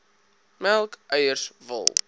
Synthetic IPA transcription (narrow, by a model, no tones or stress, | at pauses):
mælˠkʔœjərsvə̰lˠ